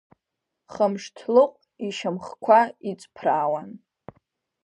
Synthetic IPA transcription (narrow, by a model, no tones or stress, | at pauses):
χəmʂtʰlɨqʷʼ | iʃamχkʷʰait͡sʼpʰraːwan